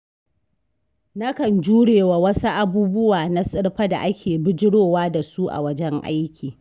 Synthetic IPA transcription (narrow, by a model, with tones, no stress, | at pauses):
na˦kɐ˨nd͡ʒuː˦ɽeː˨wa˨wɐ˦su˦ʔa˨buː˦bʊ˦waː˨na˦sʼɪ˦ɽɸɐ˦da̰˨ʔa˦kʲeː˨bɪ˦d͡ʒɪ˦ɽoː˦waː˦da˨su˦ʔa̰˨wɐ˦d͡ʒɛ˦ŋʔa̰˦jkʲiː˨